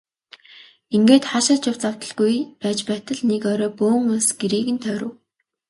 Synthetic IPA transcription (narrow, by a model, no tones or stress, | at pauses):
iŋɡeːt̪χaʃăt͡ɕjʊw̥t͡saw̥t̪ə̆ɮɡujpæːt͡ɕpæːt̪ə̆ɮnekœɾɔːpoːŋʊsɡ̥eɾiːɣɘ̆nt̪ʰœːɾʊ̆w